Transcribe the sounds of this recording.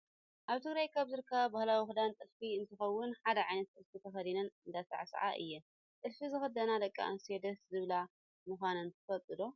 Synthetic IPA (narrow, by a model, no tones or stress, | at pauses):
ʔaβt̪ʰɨɡɾajkʰːaβzɨɾɨkʰːɐβbahlawixɨd̪ant̪ʼɨlfiɨnt̪ʰɨxɐwːʊnħad̪ɐʕajnɐt̪̚ʼɨlfit̪ʰɐxɐd̪inɐnɨnd̪asa̰ʕsɐ̰ʕa̰ʔɨ̰jːɛ | t̪ʼɨlfizɨxɐd̪ɐnad̪ɐkʼːa̰ɨnsed̪ɐszɨβla | mɨxʷanɐnt̪ʰɨfɐt̪ʼɨd̪o